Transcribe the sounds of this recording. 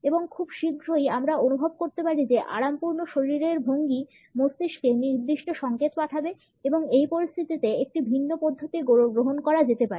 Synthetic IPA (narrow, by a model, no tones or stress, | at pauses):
eboŋkʰubʃiɡʱɾojamɾaonubʱob̚koɾt̪epaɾid͡ʑeʔa̰ɽampuɾnoʃoɾiɾeɾbʱoŋɡi | most̪iʃkeniɾd̪iʃʈoʃɔŋket̪paʈʰabe | eboŋejpoɾist̪ʰit̪it̪eek̚ʈibʱinːopɔd̪ʱːot̪iɡoɡɾoɦonkɔɾad͡ʑet̪epaɾi